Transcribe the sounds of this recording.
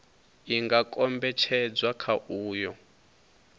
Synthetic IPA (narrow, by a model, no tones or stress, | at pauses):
iŋɡakʼɔmbɛt͡ʃʰɛd͡zwakʰaʔuːjɔ